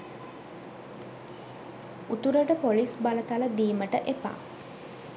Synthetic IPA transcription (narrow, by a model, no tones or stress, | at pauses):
ut̪uɾəʈəpolisbalət̪aləd̪iːməʈəʔepa̰ː